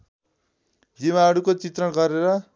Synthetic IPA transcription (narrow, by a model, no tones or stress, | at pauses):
d͡zimaɦʌɽukot͡sit̪rʌɳɡʌɾeɾʌ